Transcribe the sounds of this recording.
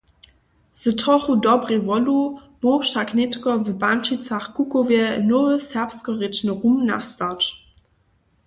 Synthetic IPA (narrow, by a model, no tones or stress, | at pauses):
z̥ətɔχudɔbʁevɔlu | moʃaknɛtkɔvəbant͡ʃit͡saχkukovjɛnovəsɛɐpskɔʁet͡ʃnəʁumna̰stat͡ʃ